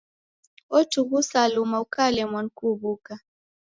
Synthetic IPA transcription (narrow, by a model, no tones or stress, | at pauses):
ɔtuβusalumaukalɛmwankuβuka